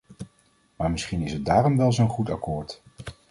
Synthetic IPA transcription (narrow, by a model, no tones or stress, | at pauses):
maːɹmɪsχinɪsɦət̚daːrɔmʋɛlˠzoːnχuta̰kʊːɹt